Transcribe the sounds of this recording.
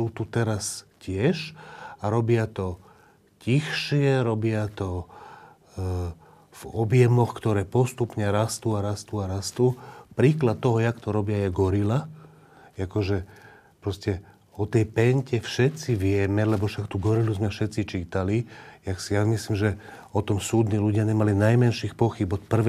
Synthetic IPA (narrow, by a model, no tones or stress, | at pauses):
suːt̪ut̪ɛɾascɪɛʃaɾɔbɪat̪ɔ | cixʃɪɛɾɔbɪat̪ɔ | vɔbjɛmɔxkt̪ɔɾɛːpɔst̪upɲɛɾast̪uːaɾast̪uːaɾast̪uːpɾiːklat̪̚tːɔɦɔjakt̪ɔɾɔbɪajɛɡɔɾila | akɔʒɛ | pɾɔscɛ | ɔt̪ɛjpɛɲcɛfʃɛt̪t͡siʋɪɛmɛlɛbɔʃakt̪uɡɔɾiluzmɛfʃɛt̪t͡sit͡ʃiːt̪alijaksijamislimʒɛ | ɔt̪ɔmsuːd̪niːluɟɪaɲɛmalinajmɛnʃixpɔxibɔt̪pr̩ʋ